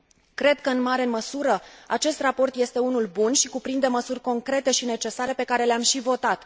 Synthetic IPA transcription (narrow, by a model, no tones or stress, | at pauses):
kɾe̞d̪kəɨnmaɾe̞məsuɾəat͡ʃe̞st̪rapo̞rt̪je̞st̪e̞unulbunʃikupɾind̪e̞məsurʲko̞ŋkɾe̞t̪e̞ʃine̞t͡ʃe̞saɾe̞pe̞kaɾe̞leamʃivo̞t̪at̪